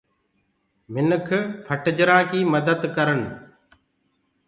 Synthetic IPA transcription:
mɪnəkʰpʰəʈd͡ʒɾãːkiːməd̪əd̪kəɾən

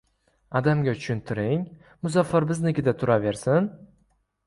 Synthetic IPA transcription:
ɒd̪amɡʲat͡ʃʰʊ̥ʃʰʊnt̪ʰɪɾɪŋ | mʊzafːaɾbɪznekʲɪd̪at̪ʰʊɾave̞ɾsɪn

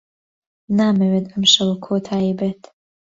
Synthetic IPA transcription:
naːmɛweːt̪ɐmʃɐwukʰoːt̪ʰaːjibeːt̪

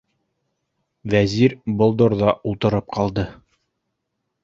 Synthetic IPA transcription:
væziɾbolˠd̪ŏɾðɑʔulˠt̪ɤ̆ɾɤp̚qʰɑlˠd̪ɤ

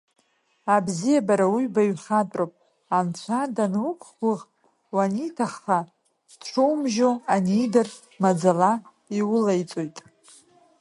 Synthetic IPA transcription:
abzijabaɾawiɥbaɥχatʼropʼ | ant͡ɕʷʰadanukʷʼχɡʷʊʁ | wanitʰaχːa | dʈ͡ʂʰowmʒoanijdar | mad͡zala | iwʊlajt͡sʼojtʼ

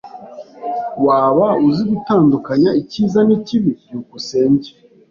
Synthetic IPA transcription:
waːβauziɡutaːndukaɲaiciːzaniciβiɟuːkuseːɲɟe̥

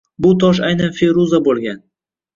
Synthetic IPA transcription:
bʊt̪ʰɒʃ̬ajnanfeɾuzabolˠɡʲan

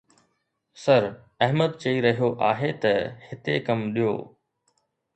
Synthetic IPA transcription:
sɐɾ | ɐɦməd̪̚t͡ɕɐiɾɐɦijoʔaːɦet̪ɐhɪt̪ekɐmɗijo̰ː

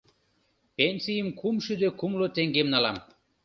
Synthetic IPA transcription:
penʲsʲijəmkumʃyd̪økumlot̪eŋɡemnɑlɑ̰m

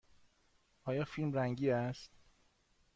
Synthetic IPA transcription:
ʔɒːjɒːfilmɾæŋɟiːæst̪

